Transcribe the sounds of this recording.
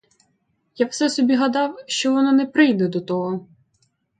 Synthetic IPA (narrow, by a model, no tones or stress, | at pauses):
jawsɛsɔbʲiɦɐd̪ɑwʃt͡ʃɔʋɔnɔnɛpɾɪjd̪ɛd̪ɔt̪ɔɦɔ